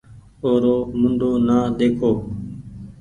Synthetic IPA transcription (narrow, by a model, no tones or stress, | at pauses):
oːɾoːmʊɳɖ̪oːnaːɗ̪eːkʰoː